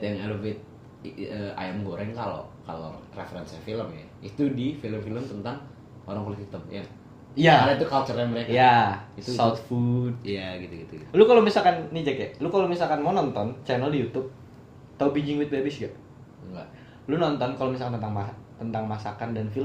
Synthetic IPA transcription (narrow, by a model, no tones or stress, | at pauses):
t̪jaŋɛluvɪt̪̚ | əa̰jamɡoɾɛŋkalo̰ka̰lo̰refəɾɛnsafiləmja̰ | it̪udifiləmfiləmt̪ənt̪aŋ | oɾaŋkoluhit̪əmja̰ | jaaait̪ukalt͡ʃəɾaməɾekjaiusawt̪fut̪̚jaɡit̪uɡit̪uɡilukalomisalkanːid͡ʒakɛlukalomisalkanmanɔnt̪ɔnt͡ʃɛnəldijut̪ʊp̚ | t̪aubid͡ʒɪŋwɪt̪̚bebɪsɡaʔ | ŋɡaʔ | lunɔnt̪ɔnkalomisalkanənt̪aŋmat̪ənt̪aŋmasakandanfiləm